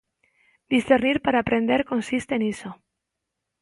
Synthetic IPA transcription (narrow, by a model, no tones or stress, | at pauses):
d̪isθeɾniɾpaɾaːpɾe̞nd̪eɾko̞nsist̪eːniso